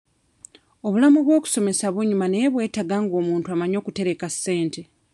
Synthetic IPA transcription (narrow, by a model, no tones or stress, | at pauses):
o̞βulamuβwo̞ːku̥so̞me̞saβuɲumane̞jeβwe̞ːtaɡaːŋɡo̞ːmuːntuamaɲo̞ːkute̞ɾe̞kasːe̞ːnte̞